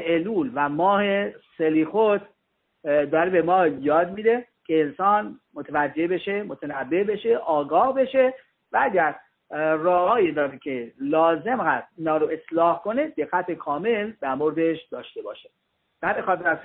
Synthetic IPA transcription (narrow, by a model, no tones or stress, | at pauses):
eluːlvæmɒːhe̞seliːxot̪ʰ | d̪ɒːɾebe̞mɒːjɒːd̪mid̪e̞ | cʲʰeːnsɒːnmo̞t̪ʰevæd͡ʒːe̞beʃe̞mot̪ʰenæbːe̞be̞ʃe̞ʔɒːɡɒːhbe̞ʃe̞ | vææɟʲæɾ | rɒːhɒːjid̪ɒːɾecʰelɒːze̞mɢæst̪iːnɒːɾoe̞slɒːhko̞ne̞d̪e̞ɣːæt̪ʰekʰɒːme̞ld̪æɾmo̞ɾd̪e̞ʃd̪ɒːʃt̪e̞bɒ̰ːʃe | b̥hæminxɒːt̪ʰeɾæz